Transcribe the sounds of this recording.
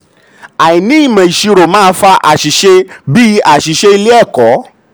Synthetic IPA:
a˨i˨nĩ˨˦i˦˨mã˨i˨ʃi˧ɾo˨mãː˦fa˧ʔa˨ʃi˨˦ʃe˧bi˦a˦˨ʃi˨˦ʃe˧˦i˧le˦ɛ˦˨kɔ˨˦

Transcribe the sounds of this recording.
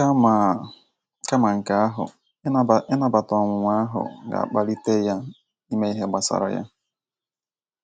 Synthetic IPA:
m˨ | ka˦ma˨ŋ̩˨ka˦a˦ɦʊ̰˨˦˨ | ɪ˦na˨ba˨tɔ˨ŋʷʊ˨ŋʷa˦a˦ɦʊ̰˨ɡa̰˨a̰˨k͡pa˦li˦te˦ja˦ | i˦me˦i˦ɦe˦ɡ͡ba˨sa̰˨ɾɔ̰˦ja̰˦

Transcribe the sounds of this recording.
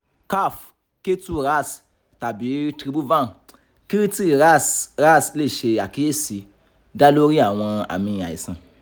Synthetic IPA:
ka˦˨f | ke˦tu˦ɾa˦˨s | ta˨bi˨˦tɾi˧˦bu˦va˦˨n | ki˦ɾi˦ti˦ɾi˧ɾa˦sɾa˦˨sle˦˨ʃe˧a˨ki˦je˦si˧ | da˦lo˦ɾi˦a˨w̃ã˧a̰˨mĩ˧a̰˨i˨sã˧

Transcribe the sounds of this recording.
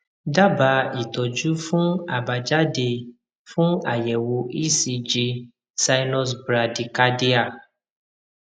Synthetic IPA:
da˦ba˧i˨tɔ˨d͡ʒu˨˦fũ˦a˨ba˨d͡ʒa˦de˧ | fũ˦a˨jɛ˨wo˧ʔi˦si˧d͡ʒi˧ | sa˧nɔ˦s̬bɾa˧di˨ka˦di˦a˦˨

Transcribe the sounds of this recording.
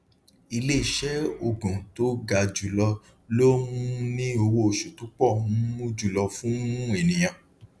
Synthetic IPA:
i˧le˦i˦˨ʃɛ˦o˦˨ɡũ˨to˦ɡa˧d͡ʒu˨lɔ˧ | lo˦mũ˦nĩ˦o˧wo˦˨ʃo˨tũ˨˦k͡pɔ˦˨ũ˦mũ˦d͡ʒu˦˨lɔ˧fũ˦ũ˦e˦˨nĩ˨j̃ã˨

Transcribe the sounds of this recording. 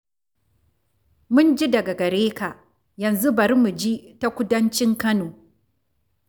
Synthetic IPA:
mʊ˦nd͡ʒi˦dɐ˨ɡa˨ɡɐ˨ɾeː˦ka˨ʔ | jɐ˨nzu˦bɐ˨ɾmu˨d͡ʒi˦ta˦kʷʊ˦dɐ˦nt͡ʃɪ˦ŋkɐ˦noː˨

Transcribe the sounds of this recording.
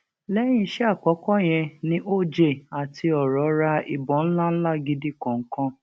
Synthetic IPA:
lɛ˦j̃ĩ˧ʃɛ˦a˦˨k͡pɔ˨˦kɔ˦j̃ɛ̃˧nĩ˦ʔo˦˨d͡ʒe˦˨a˨tʰi˧ɔ˨ɾɔ˨˦ɾa˧i˨bɔ̃˨˦n̩˦la˦n̩˦la˦˨ɡi˨˧di˦kã˨ŋ̩˦kã˧

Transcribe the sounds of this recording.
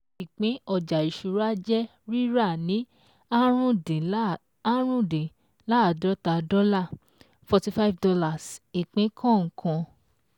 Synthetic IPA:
i˨k͡pẽ˨˦ɔ˧˨d͡ʒa˨i˨ʃu˨˧ɾa˦d͡ʒɛ˦ | ɾi˦ɾa˦˨nĩ˨˦ | a˦ɾũ˦de˨ | a˦ɾ̃ũ˦dẽ˨ | la˦˨dɔ˨˦ta˧dɔ˦la˦˨ | fɔ˧ti˧fa˦fdɔ˧la˦˨si˨k͡pẽ˨˦kʰã˦˨ŋ̩˨kʰã˧

